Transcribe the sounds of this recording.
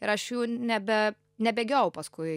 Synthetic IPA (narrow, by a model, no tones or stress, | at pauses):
ɪɾɐʃjuːnʲɛbʲɛ | nʲɛbʲeːɡʲɛʊpɐskʊɪ